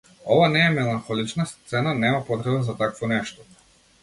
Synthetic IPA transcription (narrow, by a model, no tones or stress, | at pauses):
ɔvanɛːmɛlˠanxɔlˠit͡ʃnast̪sɛnanɛmapɔt̪ɾɛbazat̪akvɔnɛʃt̪ɔ̥